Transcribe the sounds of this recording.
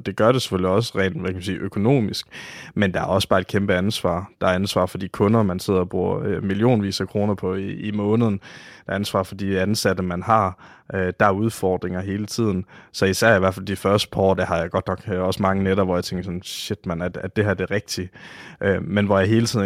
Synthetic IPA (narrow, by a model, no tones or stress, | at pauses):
d̥e̝ɡ̥ɶɐɾ̥e̝se̥føliɒ̽s̬əʁɛ̰ːnækʰæmsiːʔøkʰo̝no̝̰ːmisɡ̥mend̥ɑ̈æɐɒ̽səb̥ɑ̈ːed̥kʰemb̥əænsʋɑ̰̈ːd̥ɑ̈æɐænsʋɑ̰̈ːfɒd̥ḭːkʰɔ̽nɐmænse̝ð̰ˠɐɒb̥ʁuɐømilio̝̰ːnʋḭːsɐkʰʁo̝ːnɐpʰɒ̽iːmɔ̽ːnəðˠn̩d̥æænsʋɑ̰̈ːfɒ̽d̥iænsæd̥əmænɦɑ̈ | ʔød̥ɑæɐuð̞ˠfɒːd̥ʁeŋɐɦe̝ːlət͡sʰið̞̰ˠn̩sɒ̽isæɐ̰iʋæɐ̰fæld̥ifɶɐsd̥ə̥pʰɑɒ̰ːd̥ehɑ̈jɑ̈ɪɡ̥ɒ̽d̥nɒ̽ɡ̥ɒ̽səmɑ̈ŋəneɾɐʋɒjät͡sʰeŋɡ̥ɐsɒ̽nɕed̥mænæ̥æd̥e̝ɦæɐd̥e̝ʁɛɡ̥̚d̥iʔømenʋɒjɑ̈ɪɦe̝ːlət͡sʰið̰ˠ